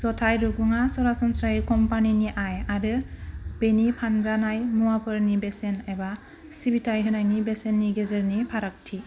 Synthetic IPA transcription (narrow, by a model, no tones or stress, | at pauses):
sɔtʰajɾuɡuŋasɔɾasɔnsaikɔmpaniniʔajaɾɯb̥enipʰanzanajmuwapʰɯɾnibesenajba | sibitʰajɦɯnajnibesenːiɡezɯɾnipʰaɾak̚tʰi